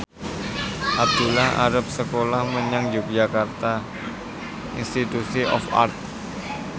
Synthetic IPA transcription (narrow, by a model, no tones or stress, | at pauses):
ʔab̚d̪̥ulaha̰ɾəp̚səkolahməɲaŋd͡ʒuk̚d͡ʒakart̪a | inst̪it̪usiʔɔ̰fa̰rt̪̚